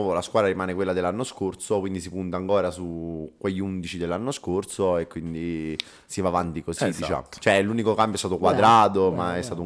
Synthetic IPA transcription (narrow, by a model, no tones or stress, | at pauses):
volaskwaːd̪ɾaɾimaːnekwelːad̪elːanːoskorsokwind̪isipunt̪aːŋkɔːɾasukːweʎːiund̪it͡ʃid̪elːanːoskorsoekːwind̪i | sivaːvant̪ikosidd̪it͡ʃa̰t͡ʃoɛlunikokampjoɛst̪at̪okwad̪ɾaːt̪omaɛst̪aːt̪ou